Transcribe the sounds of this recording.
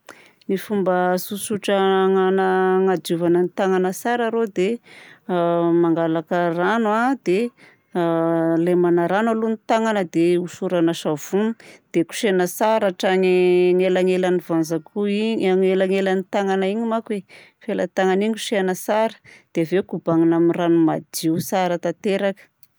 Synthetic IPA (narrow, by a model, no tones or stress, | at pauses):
nifumbəsusuʈ͡ʂəŋanəŋad͡ʒuvanənit̪aŋanəsaɾaɾod̪e | maŋɡalakəranwad̪e | lemanaɾanalunit̪aŋanəd̪eusuɾanaʃav̥und̪̥eku̥ʃenəsaɾaʈ͡ʂaɲŋelaŋelanivanzakuiaŋelaŋelanit̪aŋanaiɲimakwe | fela̰t̪aŋaniɲku̥ʃeanəsaɾə̥d̪̥evekubaŋinamiranumad͡ʒiusaɾət̪at̪eɾakə̥